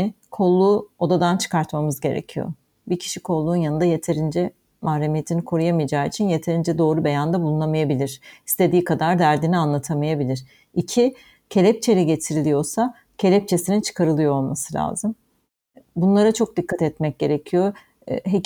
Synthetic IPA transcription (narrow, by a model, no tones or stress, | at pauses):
kʰo̞lˠːuːo̞d̪ad̪ant͡ʃʰɯ̥kaɾt̪mamɯzɟe̞ɾḛcʰijo̰ | bicʰi̥ʃikʰo̞lˠːuːnjanɯnd̪aje̞t̪ʰe̞ɾind͡ʒɛ | mahɾemijet̪ʰinikʰo̞ɾujamijad͡ʒaːit͡ʃʰinje̞t̪ʰe̞ɾind͡ʒɛd̪o̞ːɾube̞jand̪abulˠunamajabilʲiɾ̥ist̪ʰe̞d̪iːkʰad̪aɾd̪æɾd̪inianlˠat̪ʰamajabilʲiɾ̥ | icʰi | cʰe̞lʲɛp̚t͡ʃʰe̞lʲiɟe̞t̪ʰiɾilʲijo̞ɾsa | cʰe̞lʲɛp̚t͡ʃʰe̞sinint͡ʃʰɯ̥kʰaɾɯlˠɯjoolˠmasɯlʲa̰ːzɯm | bunlˠaɾat͡ʃʰo̞k̚d̪ikːat̪ɛt̪mɛc̚ɟe̞ɾe̞cʰijo̞ | ɦe